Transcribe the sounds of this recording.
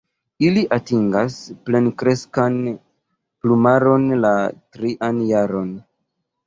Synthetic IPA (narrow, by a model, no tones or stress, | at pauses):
iliʔatiŋɡasple̞nkɾe̞skan | plumaɾo̞nlatɾiʔanjaɾo̞n